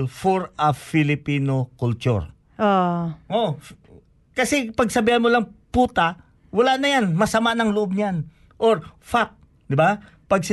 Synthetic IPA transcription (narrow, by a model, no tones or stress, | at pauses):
lfoɾɐfɪlɪpiːnokʊlt͡ʃ̪ʊ̰ɹ | ʔoʔo | kɐsɛpɐɡsɐbiːhanmolɐŋpuːt̪a | wɐlaʔnɐjanmɐsɐmaʔnɐŋlʊʔob̚ɲjan | ʔoɾfak̚ | d̪ɪba | pɐɡ̚sɪ